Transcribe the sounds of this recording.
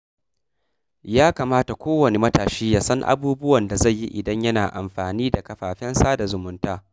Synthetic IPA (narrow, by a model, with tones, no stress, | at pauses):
jaː˦kaː˨maː˦ta˨kʷoː˦wɐ˨ne˨mɐ˦taː˨ʃiː˦jaː˦sɐ˦ŋʔa̰˦buː˦bʊ˦wɐ˨nda˨za˦˨jːi˦ʔɪ˨dɐ˦ɲjɐ˦naː˨ʔa˨mɸaː˨niː˦da˨kɐ˨ɸaː˨ɸɛ˦nsaː˦da˨zʊ˨mʊ˦ntaː˦